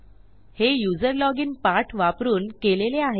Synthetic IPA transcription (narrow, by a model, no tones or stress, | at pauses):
hejud͡zəɾlɔɡiːnpaʈʰʋapɾuːnkeleleaɦe